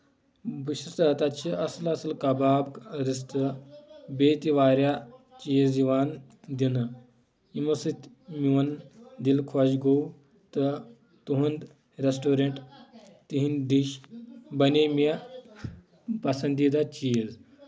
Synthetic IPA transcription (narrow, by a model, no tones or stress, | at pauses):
buɕist̪ɐt̪at̪t͡ʃiɐslɐslkɐbaːbkɾis̬t̪əbet̪iʋaːɾja | t͡ʃiːziʋaːn | d̪inɐ | imɐsit̪ | miʋɐnd̪ilkʰɔɕɡow | t̪ɐ | t̪uɦund̪ | ɾesʈoɾeɳʈt̪iɦind̪iʃbɐneme | pɐsɐnd̪id̪at͡ʃiːz